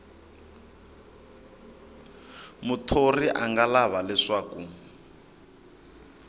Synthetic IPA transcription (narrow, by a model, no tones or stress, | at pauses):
mutʰoriʔaŋɡalaβalɛʂaːku